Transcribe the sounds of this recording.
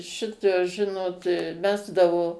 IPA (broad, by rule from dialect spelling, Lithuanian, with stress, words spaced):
ˈʃʲɪtoːs ˈʒʲɪnoːt ˈmʲæːzdɐʋoː